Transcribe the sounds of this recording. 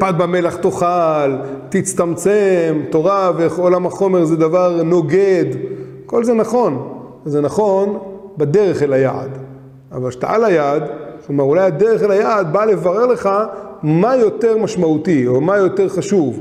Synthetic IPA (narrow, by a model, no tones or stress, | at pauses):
pad̪̚bamelaχt̪o̞χalt̪it͡st̪amt͡semt̪o̞ʁaveolamhaχo̞me̞ʁzed̪avaʁno̞ɡe̞d̪ | ko̞lzenaχo̞n | zenaχo̞nbad̪e̞ʁeχelaja̰d̪ | a̰valʃe̥t̪a̰a̰lajadklomaʁulajad̪eʁeχelajad̪bale̞vaʁe̞ʁle̞χamajo̞t̪e̞ʁmaʃmaut̪io̞majot̪e̞ʁχaʃuv